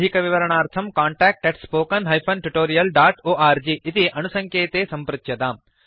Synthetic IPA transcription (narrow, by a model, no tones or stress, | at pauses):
ikɐʋiʋɐɾɐɳ̃aːɾt̪ʰɐmkaːɳʈɛːk̚ʈːeʈspoːkɐnɦɐjpʰɐnʈuʈoːɾijɐlɖaːʈoːʔaːɾd͡ʑiːʔɪt̪iʔɐnusɐ̃ŋkʰeːt̪esɐ̃mpɾɐt̪jɐt̪aːm